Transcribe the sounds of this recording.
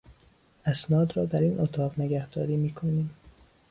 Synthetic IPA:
æsnɒːd̪ɾɒːd̪æɾiːnʔot̪ʰɒːʁne̞ɡæhd̪̥ɒːɾiːmiːkʰoniːm

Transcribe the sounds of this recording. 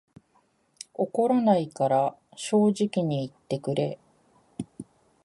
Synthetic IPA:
o̞ko̞ɾonaikaɾaɕo̞ːʑikʲiɲ̟iːt̪ːe̞kɯ̟ɾe̞

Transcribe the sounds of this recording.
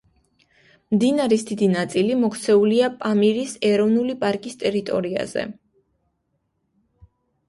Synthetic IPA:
md̪inaɾisd̪id̪inat̪sʼilimɔkʰt̪sʰɛuliapʼamiɾisɛɾɔvnulipʼaɾkʼist̪ʼɛɾit̪ʼɔɾia̰z̥ɛ̰

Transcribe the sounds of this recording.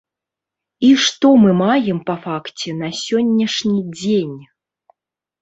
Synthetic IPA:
iʂt̪ɔmɨmajɛmpɐfakt͡sʲɛnɐsʲɔnʲːɐʂnʲid͡zʲenʲ

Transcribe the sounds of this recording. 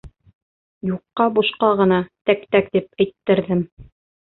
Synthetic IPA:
juqːɑbuʃqɑʁɤ̆nɑt̪ækt̪ækt̪ip̚ɘ̆jt̪ːɘ̆ɾðɘm

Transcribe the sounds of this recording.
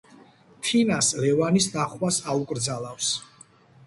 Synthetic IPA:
t̪ʰinaslɛvanisd̪aχwasaukʼɾd̪zalˠafs

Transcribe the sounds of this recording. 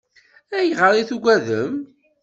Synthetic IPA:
æjəʁəɾˤiθuɡʷæðəm

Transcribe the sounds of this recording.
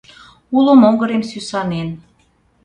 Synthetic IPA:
ulomoŋɡəɾemsysɑnen

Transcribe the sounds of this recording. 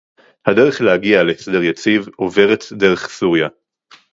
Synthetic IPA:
hadeʁeχlehaɡialesedeʁjat͡sivoveʁet̪d̪eʁeχsuʁja

